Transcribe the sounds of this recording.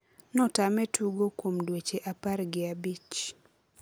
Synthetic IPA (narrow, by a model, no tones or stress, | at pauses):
nɔtamɛtʰuɡokwomdwet͡ʃeʔaparɡɪabit͡ʃ